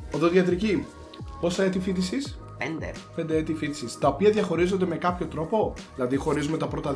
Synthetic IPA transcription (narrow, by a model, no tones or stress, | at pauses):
oðoðiɐt̪ɾici | po̞sθɐet̪ifit̪̬isis | pend̪ḛpe̞nd̪eet̪ifit̪i̥sist̪ɐopiɐðʝɐxo̞ɾizo̞nd̪e̞me̞kɐpço̞t̪ɾo̞po̞ðilɐðixo̞ɾizumet̪ɐpɾo̞t̪ɐ